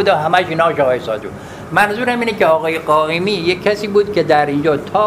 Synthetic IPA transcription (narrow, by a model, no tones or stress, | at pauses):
ud̪eɦæmæʃiːnɒːʃɒːɣɒːjesɒ̰ːd̪ṵ | mænzuːɾæmiːnekʲeɒːɣɒːjeɡɒːʔemiːjecʲʰːæsiːbuːd̪kʰʲed̪æɾind͡ʒɒːt̪ʰɒː